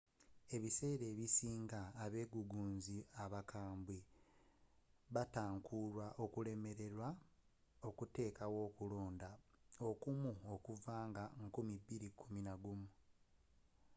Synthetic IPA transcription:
e̞βise̞ːɾe̞ːβisiːŋɡaːβe̞ːɡuɡuːnziaβakʰaːmbwi | βataːŋkʰuɾwaʔo̞kule̞me̞ɾe̞ɾwa | o̞kute̞ːkawo̞ːkulo̞ːndao̞kumuo̞kuvaːŋɡaŋkumibːiɾikʰuminaɡumu

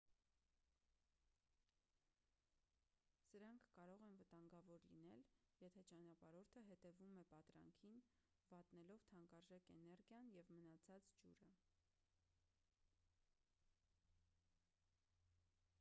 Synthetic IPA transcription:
səɾɑŋkʰːɑɾɔʁɛnvət̪ɑŋɡɑvɔɾlinɛljɛt̪ʰɛt͡ʃɑnɑpɑɾɔɾt̪ʰəɦɛt̪ɛvumɛpɑt̪ɾɑ̰ŋkʰin | vɑt̪nɛlɔvt̪ʰɑŋkɑɾʒɛkɛnɛɾɡjɑnjɛvmənɑt͡sʰɑt͡sd͡ʒṵɾə

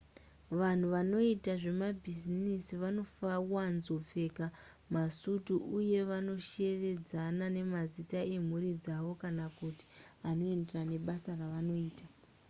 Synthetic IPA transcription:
ʋan̤uʋano̞itaʐe̞mabʱizinisiʋano̞fawanzop͡fe̞ka | masutuʔuje̞ʋano̞ʃe̞ʋe̞d͡zanane̞mazitae̞m̤urid͡zaʋo̞kanakuti̥ano̞e̞nderane̞ɓasaraʋano̞iːta

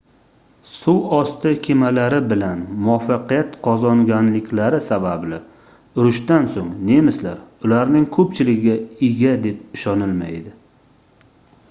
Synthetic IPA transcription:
suwɒst̪ʰɪkʲʰemalaɾɪbɪlanmʊafːɑqijat̪qʰɒzɒŋɡʲanlɪkʲʰlaɾɪsabablɪ | ʊɾʊʃt̪ansoŋne̞mɪsla̰ɾʊlaɾnɪŋkʰɵpt͡ʃʰɪlɪɡʲɪɡʲaɪɡʲad̪e̞p̚ɪʃɒnɪlma̰jd̪ɪ

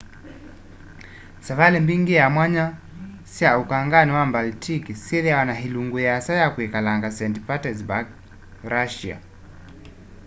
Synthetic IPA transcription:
savalɛmbiŋɡijamwaɲa | siaukaŋɡaniwambaltʰikisiðɛjawanaɦiluŋɡujasajakuikalaŋɡasɛntipatɛzbaɡ | ɾaʃia̰

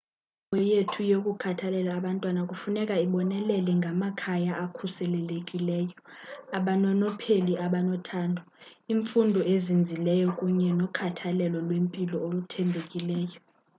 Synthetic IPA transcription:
mɔjetʰujokʼukʰatʰalɛlaːɓantʼwanakʼufunɛkʼaiɓɔnɛlɛlɛŋɡʱamakʰajaʔakʰusɛlɛlekʼilɛːjɔ | aɓanɔnɔpʰeliʔaɓanɔtʰaːndʱɔiːɱfundʱɔezind͡zʱilɛjɔkʼuɲɛnɔkʰatʰalɛlɔlwempʼilɔolutʰɛmbʱekʼilɛːjɔ

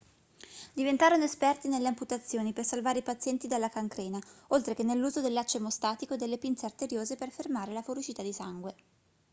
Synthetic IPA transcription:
d̪ivent̪aːɾonoespɛrt̪inelːeamput̪at̪sːjoːnipersalvaːɾeipat̪sːjɛnt̪id̪alːakaŋkɾɛːnaolt̪ɾekenːelːuːzod̪elːat͡ʃːemost̪aːt̪ikod̪elːepint̪seart̪eɾjoːzeperfermaːɾelafoɾut͡ʃiːt̪ad̪isaŋɡwe

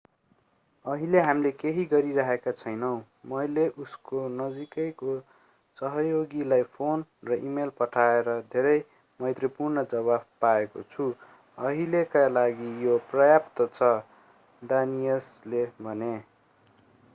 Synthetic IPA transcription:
ʌɦileɦamlekeɦiɡʌɾiɾaɦekat͡sʰʌjnʌw̃ | mʌjleʔuskonʌd͡zikʌjko | sʌɦʌjoɡilajpʰonrʌʔimelpʌʈʰaeɾʌd̪ʱeɾʌj | mʌjt̪rʌpurnʌd͡zʌβab̚paeko̰t͡sʰu | ʌɦilekalaɡijoprʌjapt̪ʌt͡sʰʌ | ɖanijʌslebʱʌne

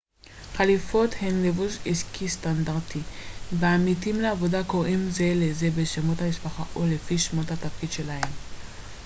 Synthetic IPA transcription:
χalifo̞t̪he̞nlevusiskist̪and̪aʁt̪ʰiveamitimleavo̞dako̞ʁimze̞lezebeʃemothamispaχaʔole̞fiʃmothat̪afkid̪ʃe̞lahe̞m

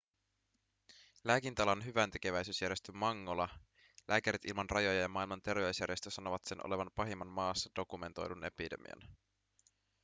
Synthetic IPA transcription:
læːkint̪ɑlɑnɦyʋænt̪e̞ke̞ʋæjsyːsjæɾje̞st̪ømmɑŋːo̞lɑ | lʔæːkæɾit̪ilmɑnrʔɑjo̞jɑjɑmɑːilmɑnt̪e̞rʋe̞ysjæɾjest̪øsɑno̞ʋɑt̪se̞nʔo̰le̞ʋɑnpɑɦimːɑnmɑːsːɑdo̞kume̞nt̪o̞̰jdune̞pide̞̰mḭɑ̰n

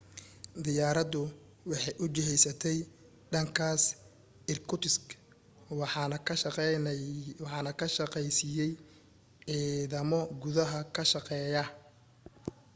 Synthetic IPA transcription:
d̪ɪjaːɾɐd̪ʊ | wɑħɑjʔʊt͡ʃɪɦɛjsɐt̪ʰɛj | ɖɐŋkʰaːs | ɪrkʰʊt̪ʰɪsk | w | wħɑːnɐkʰɐʃɐqɛjsɪjɛj | ʕiːðɐmɔɡʊðɐɦɐkʰɐʃɐqɛːjɐ

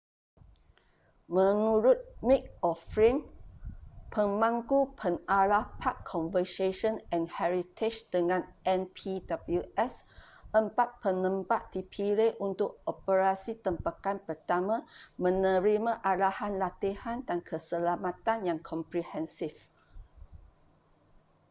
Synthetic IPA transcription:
mə̃nuɾʊt̪̚mik̚ɔfɹĩŋ | pʰəmãŋkupʰənalahpʰakʰːɔ̃nvəseʃə̃nɛ̃nhɛɹit̪ʰet͡ʃd̥əŋãnɛ̃npʰidabəluɛs | ʔə̃mpat̪̚pənə̃mpaʔ̚dipʰileʔunt̪ʊk̚ɔpəɹasit̪əmpakanpət̪amãmə̃nə̃ɹimãʔalahanlat̪ihãndankʰəsəlamãt̪ãnjãŋkʰɔ̃mpɾihɛ̃nsif

